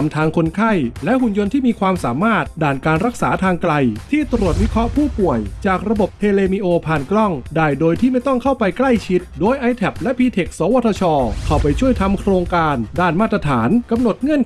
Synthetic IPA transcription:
mt̪ʰaː˧ŋkʰo˧nkʰa˥˩jlɛ˦˥ʔɦu˨˩njo˧nt̪ʰiː˥˩miː˧kʰwaː˧msaː˩˦maː˥˩t̪̚daː˨˩nkaː˧nɾa˦˥k̚saː˩˦t̪ʰaː˧ŋkla˧jt̪ʰiː˥˩t̪ɾu˨˩ət̪̚wi˦˥kʰɾɔ˦˥ʔpʰuː˥˩pu˨˩əjt͡ɕaː˨˩k̚ɾa˧bo˨˩p̚t̪ʰeː˧leː˧mi˧ʔoː˧pʰaː˨˩nklɔ˥˩ŋdaː˧˩jdoː˧jt̪ʰiː˥˩ma˥˩jt̪ɔ˥˩ŋkʰa˥˩wpa˧jkla˥˩jt͡ɕʰi˦˥t̪̚doː˧jʔa˧jt̪ʰɛ˨˩p̚lɛ˦˥pʰiː˧t̪ʰe˨˩k̚sɔː˨˦wa˧˥t̪ʰːɔ˧t͡ɕʰɔː˧kʰa˧˥˩wpa˧jt͡ɕʰu˥˩əjt̪ʰa˧mkʰɾoː˧ŋkaː˧ndaː˥˩nmaː˥˩t̪̚ːɾa˧t̪ʰaː˩˦nka˧mno˨˩t̪̚ŋɤ˧˥ən

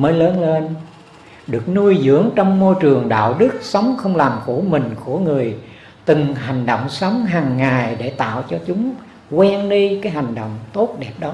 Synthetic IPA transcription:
məː˨˦jləː˨˦nle˧n | ɗɨ˨˩ək̚nu˧əjzɨ̰˧˥əŋt͡ɕɔ˧wŋ͡mmo˧jt͡ɕɨ˨˩əŋɗa̰ː˧˨wɗɨ˦˥k̚sə˨˦wŋ͡mxə˧wŋ͡mlaː˨˩mku˧˩˦mï˨˩ŋ̟ku˧˩əŋɨ˨˩əj | t̪ɨ˨˩ŋɦa˨˩jŋ̟ɗo̰˧˨wŋ͡msə˨˦wŋ͡mɦaː˨˩ŋːaː˨˩jɗe˧˩t̪a̰ː˧˨wt͡ɕɔ˧t͡ɕʊ˨˦ŋ͡m | kwɛ˧nɗi˧kaː˨˦jɦa˨˩jŋ̟ɗo̰˧˨wŋ͡mt̪o˦˥t̚ɗɛ˨˩p̚ɗɔ˨˦

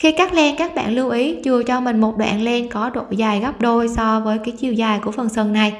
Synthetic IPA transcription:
xi˧kaː˦˥k̚lɛ˧nkaː˦˥k̚ɓa̰ː˧˨nlɨ˧wʔi˨˦t͡ɕɨ˨˩ət͡ɕɔ˧mï˨˩ŋ̟mo˨˩t̚ɗwa̰ː˧˨nle˧nkɔ˨˦ɗo̰˧˨jzaː˨˩jɣa˦˥p̚ɗo˧jsɔ˧vəː˨˦jkaː˨˦jt͡ɕḭ˧˩əwzaː˨˩jku˧˩əfə˨˩nsə˨˩ŋna˨˩j

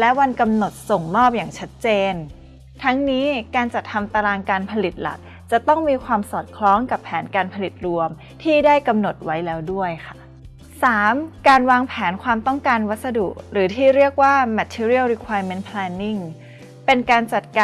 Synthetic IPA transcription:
lɛ˦˥ʔwa˧nka˧mno˨˩t̪̚so˨˩ŋmɔː˥˩p̚jaː˨˩ŋt͡ɕʰa˦˥t̪̚t͡ɕeː˧n | t̪ʰa˦˥ŋniː˦˥kaː˧nt͡ɕa˨˩t̪ʰːa˧mt̪a˧laː˧ŋkaː˧npʰa˧li˨˩t̪̚la̰˨˩k̚ | t͡ɕa˨˩t̪ɔ˥˩ŋmiː˧kʰwaː˧msɔː˨˩t̪̚kʰlɔː˦˥ŋka˨˩pʰːɛː˩˦nkaː˧npʰa˧li˨˩t̪̚ɾu˧əm | t̪ʰiː˥˩daː˥˩jka˧mno˨˩t̪̚wa˦˥jlɛː˦˥wdu˥˩əjkʰa˥˩ | saː˩˦mkaː˧nwaː˧ŋpʰɛː˩˦nkʰwaː˧mt̪ɔ˥˩ŋkaː˧nwa˦˥t̪̚sa˧dṵ˨˩kɾɯː˩˦t̪ʰiː˥˩ɾi˥˩ək̚waː˥˩mɛ˦˥t̪ʰiː˧ɾi˥˩əlɾi˧˥kʰwaː˧jme˦˥npʰlɛː˧nːi˥˩ŋ | pe˧nkaː˧nt͡ɕa˨˩t̪̚ka

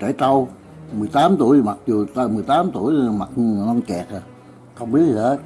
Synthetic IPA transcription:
t͡ɕə˧˩t̪a˧w | mɨ˨˩əjt̪aː˨˦mt̪ṵ˧˩˨əjma˨˩k̚zu˨˩t̪ːmɨ˨˩əjt̪aː˨˦mt̪u˧˩əjma˨˩t̚nɔ˧nt͡ɕɛː˨˩k̚ː | xə˧wŋ͡mɓi˦ət̚ʰi˨˩ə˨˦

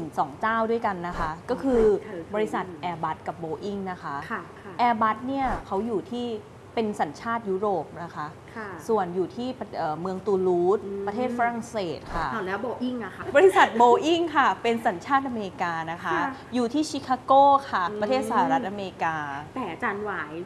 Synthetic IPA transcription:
nɯ˨˩ŋsɔː˩˦ŋt͡ɕaː˥˩wdu˥˩əjka˧nːa˦˥kʰa˦˥kɔː˥˩kʰɯː˧bɔː˧ɾi˦˥sa˨˩t̪̚ʔɛː˧ba˦˥t̪̚ka˨˩p̚boː˧ʔi˥˩ŋna˦˥kʰa˦˥ʔʰ | ʔɛː˧ba˦˥t̪̚ni˥˩ɐkʰa˦˥wjuː˨˩t̪ʰiː˥˩ | pe˧nsa˩˦nt͡ɕʰaː˥˩t̪̚ju˦˥ɾoː˨˩p̚na˦˥kʰa˦˥ʔʰ | su˨˩ənjuː˨˩t̪ʰiː˥˩pʔɤː˨˩mɯ˧əŋt̪uː˧luː˦˥t̪̚ɾa˧t̪ʰeː˥˩t̪̚fa˦˥ɾa˨˩ŋseː˨˩t̪̚kʰa˥˩a˨˩lɛː˦˥wboː˧ʔi˥˩ŋna˧a˦˥bɔː˧ɾi˦˥sa˨˩t̪̚boː˧ʔi˥˩ŋkʰa˥˩pe˧nsa˩˦nt͡ɕʰaː˥˩t̪̚ʔa˧meː˧i˧kaː˧na˦˥kʰa˦˥juː˨˩t̪ʰiː˥˩t͡ɕʰi˦˥kʰːaː˧˥koː˥˩kʰa˥˩pɾa˧t̪ʰeː˥˩sa˧ha˨˩ɾa˦˥t̪̚ʔa˧meː˧ɾi˧kaː˧t̪ɛː˨˩a˧t͡ɕaː˧nwaː˩˦j

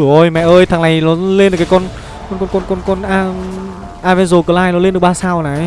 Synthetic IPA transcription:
əʔo˧˩jmɛ̰˧˨ʔəː˧jt̪ʰaː˨˩ŋna˨˩jlɔ˨˦le˧nɨ˨˩ka˨˦kɔ˧n | kɔ˧nkɔ˧nkɔ˧nkɔ˧nkɔ˧nʔaː˧ | ʔaː˧vɛ˧nzo˧˩kəː˨˧˦laː˧jlɔ˨˦le˧nɗɨ˨˩ə˩ɓaː˧˩saː˧˩wnaː˨˩˨

